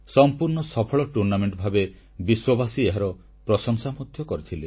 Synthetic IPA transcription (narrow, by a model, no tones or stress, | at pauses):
sɔmpuɾɳɔsɔpʰɔɭɔʈuɾnameɳʈbʱabe | biswɔbasieɦaɾɔ | pɾɔsɔŋsamud̪ʱjɔkɔɾit̪ʰile